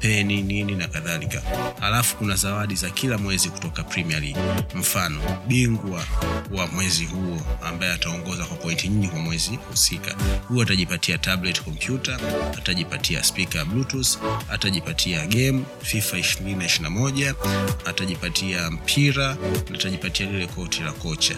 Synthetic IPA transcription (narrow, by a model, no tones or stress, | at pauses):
pɛninininakaðalikahalafu̥kunazawaɗizakʰilamwɛziku̥tɔkapɾimialiɡim̩fanɔɓiŋɡwawamwɛzihuɔambajɛataɔŋɡɔzakwapɔintiɲ̩ɡikwamwɛzihusika̰huɔataʄipatʰiatablɛti̥kɔm̩pjutaataʄipatia̰spikablutusa̰taʄipatʰiaɡɛmu | fifaiʃiɾininaiʃinamɔʄaːtaʄipatʰiam̩pʰiɾanaːtaʄipatialilɛkɔtʰilakɔt͡ʃa̰